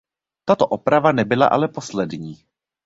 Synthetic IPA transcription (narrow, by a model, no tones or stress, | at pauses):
t̪at̪o̞ʔopɾavanɛbɪla̰ʔa̰lɛpo̞slɛdɲiː